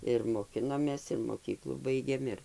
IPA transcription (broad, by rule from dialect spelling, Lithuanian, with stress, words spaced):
ɪr moːˈkʲɪnoːmʲeːs ɪr moːˈkʲiːklˠuː ˈbɐɪɡʲeːm ˈɪr